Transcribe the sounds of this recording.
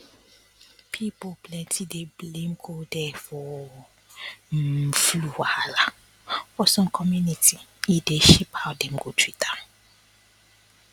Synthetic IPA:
pʰipoplɛ̃ntʰideblẽmkʰodɛfɔ | fluwahala | fɔsɔ̃mkʰɔmjunitiideʃiphaʊdɛ̃mɡotʰwitʰa

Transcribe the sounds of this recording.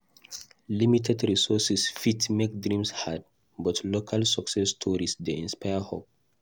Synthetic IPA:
limitʰɛdɹisɔsisfitmek̚dɹĩmshad̚ | bɔtʰlokʰalsɔksɛstʰɔɹisdeĩnspʰajəhop̚

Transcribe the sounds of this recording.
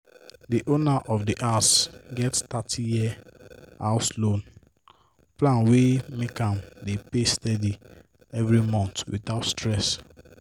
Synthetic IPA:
diʔonaʔɔfdiʔasɡɛttatʰijiɛ | aʊslõn | plãnwemekãmdepestɛdi | ɛvɹimɔ̃ntwḭtaʊtstɹɛs

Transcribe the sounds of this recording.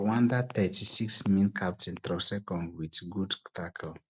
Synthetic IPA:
wãnd̪at̪ɛtisiksmĩnkʰap̚tɛ̃nt̪ɾɔsɛkɔ̃ndwitɡudkt̪akʰəl

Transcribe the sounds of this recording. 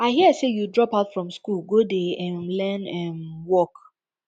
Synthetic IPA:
aɪɦiəsejudɹɔpaʊtfɹɔ̃mskulˠɡodeɛ̃mlɛ̃nɛ̃mwɔk

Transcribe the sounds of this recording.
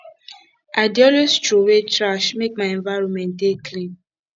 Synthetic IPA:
ʔadiɔlost͡ʃɾuwet͡ʃɾaʃmek̚maẽnvaɾɔ̃nmɛ̃ntekʰlĩm

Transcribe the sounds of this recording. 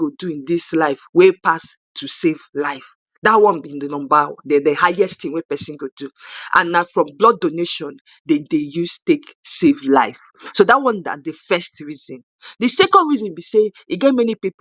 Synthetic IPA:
ɡoduĩndislaɪfwepas | tʰusevlaɪf | datwɔ̃nbĩndənɔ̃mbadɛdəhaɪɛsttĩŋwepɛsĩnɡoduʔã̰nːafɹɔ̃mblɔddoneʃɔ̃n | dedejustu̥teksevlaɪf | sodatwɔ̃na̰dəfɛstɹizɔ̃n | dəsɛkɔ̃ndɹizɔ̃nbise | iɡɛt̚mɛnipip

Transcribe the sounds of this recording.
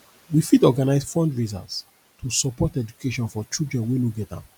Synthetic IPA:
wifidɔɡanaɪsfɔ̃ndɹiza̰s | tʰusɔpɔtɛd͡ʒukʰeʃɔ̃nfɔt͡ʃildɹɛ̃nwenuɡɛtã̰m

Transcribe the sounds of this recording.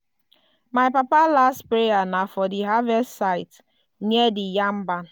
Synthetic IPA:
maɪpapalastpɾejanafɔdiɦavɛstːsaɪt | nedɪjam̩ban

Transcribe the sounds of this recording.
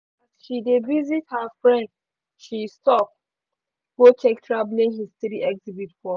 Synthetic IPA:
ʃidevizithafɹɛ̃nd | ʃistɔp̚ | ɡot͡ʃɛktʰɹablĩŋhistiɾiʔɛkzibitfɔ

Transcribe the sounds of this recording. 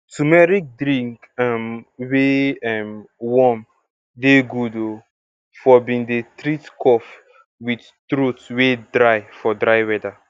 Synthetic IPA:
tumɛɾik̚dɾĩŋk | amweɛmwɔm | deɡudo | fɔbĩndetɾitkɔf | wid | tɾotwedɾaɪfɔdɾaɪwɛda

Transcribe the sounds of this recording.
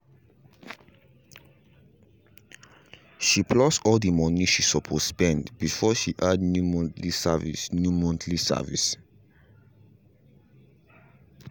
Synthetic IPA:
ʃipʰlɔsɔldəmɔniʃisɔpʰospɛ̃ndb̥ifɔʃiʔadnjumɔ̃ntlisavḭsnjumɔ̃ntʰlisa̰vḭs

